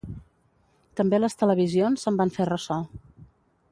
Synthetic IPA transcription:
t̪əmbeləst̪ələβ̞izionzəmbaɱferəsɔ

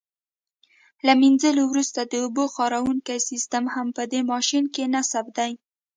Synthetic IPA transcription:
laminzəlowɾust̪ad̪əoboxɑɾawuŋkajsist̪amhampəd̪emɑʃinkenasab̚d̪aj

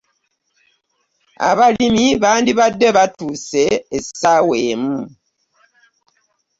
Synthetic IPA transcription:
a̰βalimiβaːndiβadːeβatuseːsaweːmu

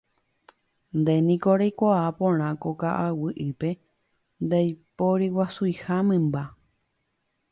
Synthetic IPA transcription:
nd̪enĩkoɾejkʷaapõɾ̃ãkokaʔawɨʔɨpe̞ | nd̪ajpoɾiwasuihamɨ̃mba

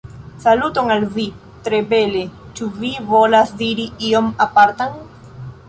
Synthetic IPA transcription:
salut̪oŋalvi | t̪ɾeβele | t͡ʃuviβolasd̪iɾiiomapaɾt̪aŋ

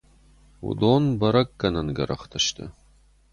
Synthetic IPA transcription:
wṵd̪oːnbɐɾɐkːɐnɐnɡɐɾɐ̰χt̪ʰɐʃt̪ʰɨ̰

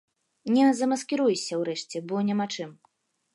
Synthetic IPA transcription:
nʲɛzɐmɐskʲiɾujsʲɐwɾɛʂt͡sʲɛbɔnʲɛmat͡ʂɨm

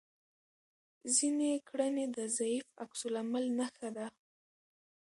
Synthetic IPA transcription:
zinekɽəned̪əzaifaksʊlamalnaxad̪a

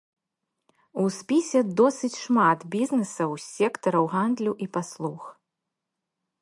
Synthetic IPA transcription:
uspʲisʲɛd̪ɔsɨt͡sʲʂmat̪bʲiznɨsɐwsʲɛkt̪ɐɾɐwɣand̪lʲuʔipaslˠux

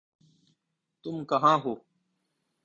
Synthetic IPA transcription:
t̪umkɐɦãːɦoː

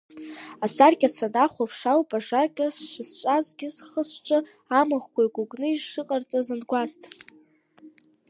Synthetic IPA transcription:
asarkʲʼasʰanaχʷapʰʂawpʼaʂarkʲʼasʂɨst͡ʃʷʼazɡʲɪzχəsʈ͡ʂʼɨ | amɨχʷkʷʰaiɡʷuɡʼnɨiʒʂɨqʼart͡sʼazanɡʷastʼ

